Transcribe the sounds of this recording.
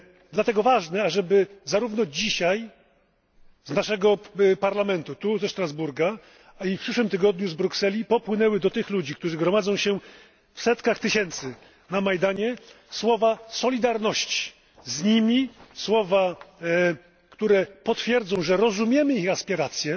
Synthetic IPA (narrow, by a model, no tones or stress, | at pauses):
d̪lat̪ɛɡɔvaʐnɛaʐɛbɘzaɾuvn̪ɔd͡ʑiɕaj | znaʂɛɡɔpaɾlamɛnt̪ut̪uzɛʂt̪ɾazbuɾɡa | ifpʂɘʂwɘmt̪ɘɡɔd̪ɲuzbɾuksɛlʲipɔpwɘnɛwɘd̪ɔt̪ɘxlud͡ʑik̚t̪uʐɘɡɾɔmad̪zɔ̃w̃ɕɛ | fsɛt̪kaxt̪ɘɕɛnt̪sɘ | namajd̪aɲɛ | swɔvasɔlʲid̪aɾnɔɕt͡ɕi̥ | zɲimʲiswɔva | kt̪uɾɛpɔt̪fʲjɛɾd̪zɔ̃w̃ʐɛɾɔzumʲjɛmɘixaspʲiɾat̪sʲjɛ